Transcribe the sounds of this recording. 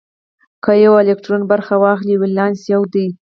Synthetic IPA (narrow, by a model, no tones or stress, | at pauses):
kəjawaɪlek̚ʈɾonbaɾxawɑxliwɪlɑnsjawd̪ij